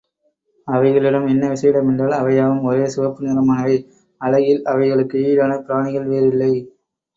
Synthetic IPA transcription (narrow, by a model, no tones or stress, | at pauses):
ɐʋɐɪɣɐɭɪɽɐmɛnːɐʋɪsɐjɪɽɐmɛndraːlɐʋɐjaːʋɯmɔɾeːsʊʋɐpːɯnɪlɐmaːnɐʋeː | ɐɻɐɣɪlɐʋɐɪɣɐɭɯkːɯiːɽaːnɐpɪɾaːɳɪɣɐɭʋeːɾɪlːɐɪ